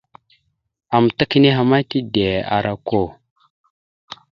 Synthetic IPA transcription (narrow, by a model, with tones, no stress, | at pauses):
a˨m˨ta˦ki˦ne˦ɦa˨ma˦ti˦de˨a̰˨ɾa˦ko˦˨